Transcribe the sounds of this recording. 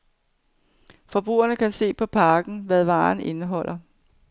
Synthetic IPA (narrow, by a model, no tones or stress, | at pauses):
fɒ̽b̥ʁṵːɐnəkʰæse̝̰ːpʰɒ̽pʰɑ̈ːɡ̥n̩ʋæðˠʋɑ̈ːne̝nəɦɒ̽l̰ɐ